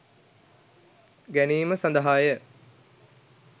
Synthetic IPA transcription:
ɡæniːməsand̪əɦaːjə

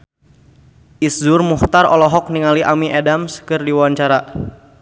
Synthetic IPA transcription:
ʔisdʊrmuht̪arɔ̰lɔɦɔk̚niŋaliʔamiʔedamskɨrdiwaɲt͡ʃaɾa

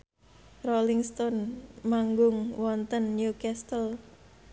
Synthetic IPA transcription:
roliŋst̪ɔnmaŋɡʊŋwɔnt̪ənːjukɛst̪əl

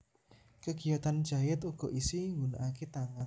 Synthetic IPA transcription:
kəɡ̥ijat̪andd͡ʒ̥a̤jɪt̪uɡ̥ɔ̤ʔisiwuna̰ʔaket̪aŋan

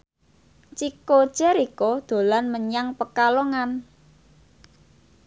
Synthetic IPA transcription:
t͡ʃiko̥t͡ʃɛɾikod̪̥o̤lanməɲaŋpəkaloŋan

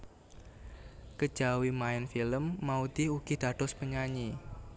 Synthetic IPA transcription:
kə̥d͡ʒ̥awimaɪnfiləmːaut̪iɦuɡ̥id̥a̤d̪̥ɔspəɲaɲi

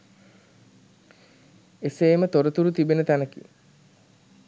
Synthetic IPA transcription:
eseːmət̪oɾət̪uɾut̪ibenət̪ænəkḭ

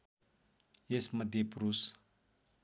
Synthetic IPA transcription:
jesməd̪ʱjepɾus

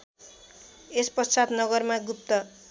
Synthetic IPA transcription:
espʌsad̪nʌɡʌrmaɡup̚t̪ʌ

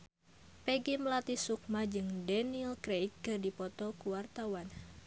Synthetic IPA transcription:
pɛɡiməlat̪isuk̚mad͡ʒɨŋdɛnilkɾejkːɨrdipɔt̪ɔkuwart̪awan

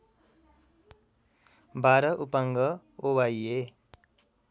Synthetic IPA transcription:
baɾʌʔupaŋɡʌ | obaje

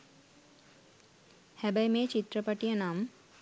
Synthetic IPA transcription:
hæbɐjmeːt͡ʃit̪ɾəpɐʈijənam

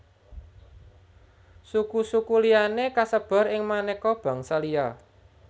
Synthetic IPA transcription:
sukusukulijanekasəb̥a̤ɾɪŋmanekɔb̥a̤ŋsəlija

